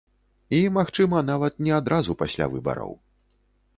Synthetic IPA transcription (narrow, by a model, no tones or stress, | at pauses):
imaxt͡ʂɨmɐnavɐt̪̚nʲɛad̪ɾʔazupasʲlʲa̰vɨ̰bɐ̰ɾɐ̰w